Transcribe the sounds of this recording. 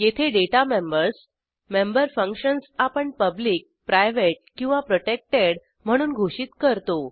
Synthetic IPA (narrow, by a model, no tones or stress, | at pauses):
jet̪ʰeɖeʈamembəɾs | membəɾfə̃ŋkɕənsapəɳpəbliːk̚pɾajʋeʈ̚kĩw̃ʋapɾoʈek̚ʈeɽ | m̤əɽ̃uːnɡʱoɕiːt̪kəɾt̪o